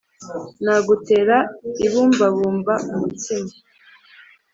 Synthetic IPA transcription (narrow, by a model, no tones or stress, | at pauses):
naɡuteɾaiβuːmbaβuːmbaumutimi